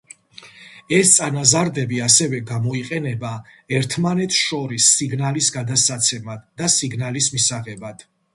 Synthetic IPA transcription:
ɛst̪sʼanazaɾd̪ɛbiasɛvɛɡamɔiqʼɛnɛba | ɛɾt̪ʰmanɛt̪ʰʃɔɾisːiɡnalisɡad̪atsat̪sʰɛmad̪ːasiɡnalismisaʁɛbad̪̥

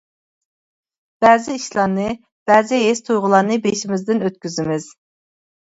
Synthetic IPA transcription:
b̥ɛːzɪiʃlˠɑɾnɨ | b̥ɛːzɪɦest̪ʰujʁʊlˠɑɾnɨbeʃimɪzd̪ɪnøt̪kʲyzɪmɪz̥

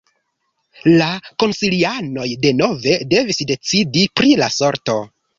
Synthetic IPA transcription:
lako̞nsiliano̞jde̞no̞ve̞de̞visde̞t͡sidipɾilaso̞ɾto̞

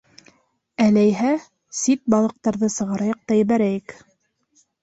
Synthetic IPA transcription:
ælæjɦæ | sit̪̚bɑlˠɤ̆q̚t̪ɑɾðɤsɤ̆ʁɑɾɑjɑq̚t̪ɑjɘ̆βæɾæjɘk

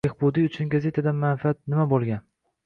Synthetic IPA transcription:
ehbud̪iʊt͡ʃʰʊnɡaze̞t̪ʰad̪anmanfiat̪̚nɪmabolˠɡʲan

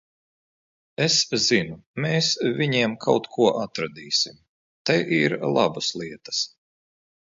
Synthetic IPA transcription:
eszinumeːsvʲiɲiɛmkʰawt̪kʰuɔʔat̪ɾad̪iːsim | t̪ajʔiɾlˠa̰baslˠiɛt̪ɐ̥s

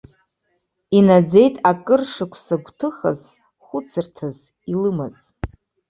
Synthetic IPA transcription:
inad͡ze̞jtʼakʼɨrʂɨkʷʰsaɡʷtʰɨχa̰z | χʷʊt͡sʰɨrtʰaz | ilɨmaz̥

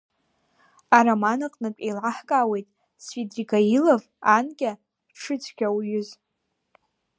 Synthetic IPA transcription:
aɾamanɨqʼnɨkʲʷʼejlʕaħkʼaːwe̞jtʼ | sfidriɡailav | anɡʲʼa | ʈ͡ʂʰɨt͡sʰɡʲawjʏz

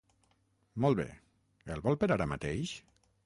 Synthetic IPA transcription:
mɔlˠβḛ | elˠβɔlˠpeəɾaɾəmat̪eʃ

